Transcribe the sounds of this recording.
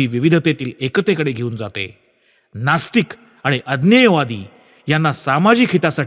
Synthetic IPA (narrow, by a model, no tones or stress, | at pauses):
iːʋiʋid̪ʱət̪et̪iːlekət̪ekəɽeɡʱeuːnd͡zat̪ḛ | nast̪ik | aɽ̃iʔəd̪njəjəʋad̪ḭː | janːasamad͡ʑikʰɦit̪asaʈ